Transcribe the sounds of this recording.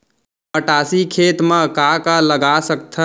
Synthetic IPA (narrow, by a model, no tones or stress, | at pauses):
pəʈaːsikʰeːt̪mãkakaləɡasək̚t̪ʰə